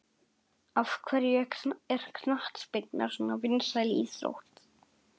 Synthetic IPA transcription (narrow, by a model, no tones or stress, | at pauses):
avkʰvɛɾjɛɛɾ̥kʰnaht̪spɪkna̰ɾ̥sɔnavɪnsajlɪiːsɾo̰wht̪